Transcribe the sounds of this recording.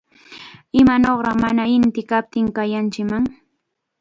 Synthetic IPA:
ɪmanoχɾɑχmanaɪnt̪ɪkap̚t̪ɪŋkajant͡ʃɪkmaŋ

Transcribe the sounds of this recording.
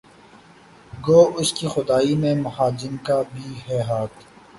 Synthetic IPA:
ɡoːʊskixʊd̪aːimẽmɐɦaːd͡ʒɪmkabʱiːɦɛːɦaːt̪

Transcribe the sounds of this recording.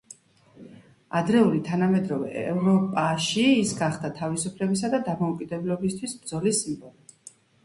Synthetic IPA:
ad̪ɾɛulit̪ʰanamɛd̪ɾɔvɛ̰ɛvɾɔpʼaʃiːsɡaχd̪at̪ʰavisupʰlɛbisad̪ad̪amɔukʼid̪ɛblɔbist̪ʰwisbd̪zɔlisimbɔlˠi

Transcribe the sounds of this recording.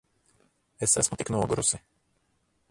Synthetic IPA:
esæ̰smut̪iknuɔɡuɾusɪ

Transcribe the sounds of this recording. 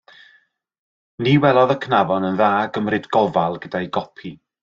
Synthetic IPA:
niwɛlˠɔðəkʰnavɔnənðaːɡəmrɨdɡɔvalˠɡəd̥ajɡɔpʰi

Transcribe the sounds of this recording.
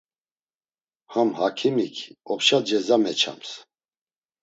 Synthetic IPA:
hamhakʰimikʰɔpʃad͡ʒɛzamɛt͡ʃʰa̰ms

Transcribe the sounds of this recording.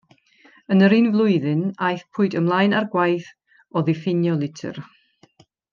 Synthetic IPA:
ənəɾinvlˠʊɨðɨnajθpʰʊɨdəmlˠajnarɡwajθ | ɔðɪfɪnjɔlˠɪtʰə̰r

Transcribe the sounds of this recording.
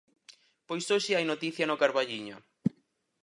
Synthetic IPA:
pojsoʃɪajnot̪iθjɐnʊkaɾβaʎiɲʊ̰

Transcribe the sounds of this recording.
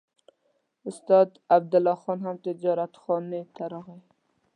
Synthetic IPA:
ʊst̪ɑd̪ab̚d̪ɪlɑxɔnhamt̪ɪd͡ʒɑɾat̪xɔnet̪ʰaɾɑɣe

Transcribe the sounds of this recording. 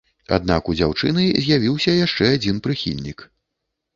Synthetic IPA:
a̰d̪nakud͡zʲawt͡ʂɨnɨzʲjavʲiwsʲɐjaʂt͡ʂɛad͡zʲinpɾɨxʲḭlʲnʲik

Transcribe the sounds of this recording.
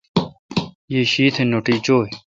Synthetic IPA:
jeːɕiːt̪ʰenoʈiːt͡ɕoː

